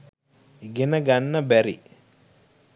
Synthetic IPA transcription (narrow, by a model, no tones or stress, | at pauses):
ɡenɐɡanːɐbɛɾḭ